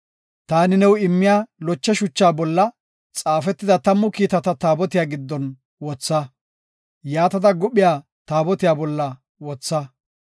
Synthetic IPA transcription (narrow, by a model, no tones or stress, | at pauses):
t̪aːnɪnɛwɪmːɪjaːlɔt͡ʃːɛʃʊt͡ʃːaːbɔlːɐ | t͡sʼaːfɛt̪ːɪd̪ɐt̪ɐmːʊkiːt̪ɐt̪ɐt̪aːbɔt̪ɪjaːɡɪd̪ːɔn | wɔt͡sːɐ | jaːt̪ɐd̪ɐɡʊɓɪjaː | t̪aːbɔt̪ɪjaːbɔlːɐ | wɔt͡sːɐ